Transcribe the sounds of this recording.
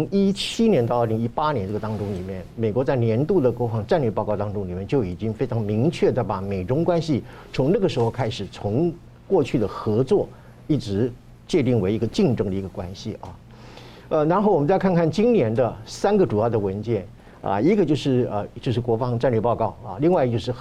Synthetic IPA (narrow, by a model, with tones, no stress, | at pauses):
ŋi˥t͡ɕʰi˥njɛ˧˥nt̪ɑ˥˧ʊə˞˥˩li˧˥ŋi˥pa˥njɛ˧˥nʈ͡ʂɤ˥˩ɡə˩t̪ɑ˥ŋʈ͡ʂʊ˥ŋli˨˩mjɛ˥˩nme˨˩kwɔ˧˥t͡sa˥˩ɪnjɛ˧˥nt̪u˥˩d̪ə˩kwɔ˧˥fɑ˧˥ŋʈ͡ʂa˥˧nlɥɛ˥˧pɑ˥˧ʊkɑ˥ʊt̪ɑ˥ŋʈ͡ʂʊ˥ŋli˨˩mjɛ˥˧nt͡ɕjo˥˩ʊi˨˩t͡ɕi˥ŋfe˥ɪʈ͡ʂʰɑ˧˥ŋmi˧˥ŋt͡ɕʰɥɛ˥˩d̪ə˩pa˨˩me˨˩ɪʈ͡ʂʊ˥ŋkwa˥nɕi˨t͡sʰʊ˧˥ŋnɤ˥˩ɡə˩ʂɻ̩˧˥xo˧kʰa˥ɪʂɻ̩˨˩t͡sʰʊ˧˥ŋ | kwɔ˥˧t͡ɕʰy˥˩d̪ə˩xɤ˧˥t͡swɔ˥˩ | i˥˩ʈ͡ʂɻ̩˧˥ | t͡ɕjɛ˥˧t̪i˥˩ŋwe˧˥ɪi˧˥ɡə˧t͡ɕi˥˩ŋʈ͡ʂɤ˥ŋd̪ə˩i˧˥ɡə˧kwa˥nɕḭ˨ɐ̰˧˩ | ə˧ɻa˧˥nxo˥˩ʊwɔ˨mə˦nt͡sa˥˧ɪkʰa˥˧nkʰa˥˩nt͡ɕi˥nnjɛ˧˥nd̪ə˧sa˥nɡə˨ʈ͡ʂu˨˩jɑ˥˩ʊd̪ə˩wə˧˥nt͡ɕjɛ˥˩n | ɐ̰˧i˧˥ɡə˧t͡ɕjo˥˧ʊʂɻ̩˥˩ə̰˧t͡ɕjo˥˧ʊʂɻ̩˥˩kwɔ˧˥fɑ˧˥ŋʈ͡ʂa˥˧nlɥɛ˥˩pɑ˥˧ʊkɑ˥˩ʊɐ̰˧li˥˧ŋwa˥ɪ˧t͡ɕjo˥˧ʊʂ̬ɻ̩˥˩x